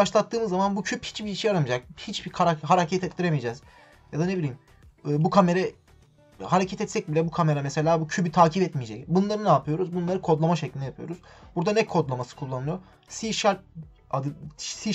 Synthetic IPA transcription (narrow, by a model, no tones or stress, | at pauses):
aʃlˠat̪ʰːɯːmɯzːamanbucʰyphi̥t͡ʃbiiʃijaɾamɯd͡ʒak̚hit͡ʃbikʰaɾaɦaɾacʰɛt̪ʰɛt̪lːʲiɾemijed͡ʒɛːz̥ | jad̪ane̞bilʲiːm | ɯːbukʰame̞ɾɛ | haɾecʰɛt̪ɛt̪sɛc̚bilʲɛbukʰame̞ɾamese̞lʲaːbucʰybyt̪ʰaːcʰibɛt̪mijed͡ʒɛcbunlˠaɾɯnaːpʰɯjo̞ɾuzbunlˠaɾɯkʰo̞d̪lˠamaʃeclʲinɛjapʰɯjo̞̰ɾuz̥buɾd̪anɛkʰːo̞d̪lˠamasɯ̥kʰulˠːanɯlˠɯjo | siʃaɾ̚ | ad̪ɯsi